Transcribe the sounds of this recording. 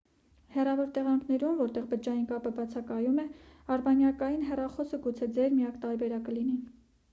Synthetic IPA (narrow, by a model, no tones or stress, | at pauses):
hɛrɑvɔɾt̪ɛʁɑŋkʰn̪ɛɾumvɔɾt̪ɛʁbəd͡ʒɑjinkɑpəbɑt͡sʰɑkɑjumɛɑɾbɑnjɑkɑjinɦɛrɑχɔsəɡut͡sʰɛd͡zɛɾmijɑkt̪ɑɾbɛɾɑkəlini